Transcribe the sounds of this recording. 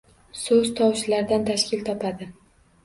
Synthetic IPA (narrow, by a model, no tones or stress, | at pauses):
sɵz̥t̪ʰɒwʃlaɾd̪ant̪ʰaʃkʲɪlt̪ʰɒpʰad̪ɪ